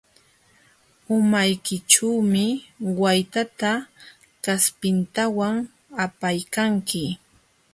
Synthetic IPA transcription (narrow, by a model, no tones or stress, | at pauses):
ʊmajkɪʈ͡ʂuwmɪwajt̪at̪a | kaspɪnt̪awaŋ | apajkaŋkɪ